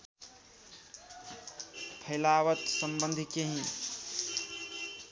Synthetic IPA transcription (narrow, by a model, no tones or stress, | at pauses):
pʰəɪlaʋət̪səmbənd̪ʱikeɦĩ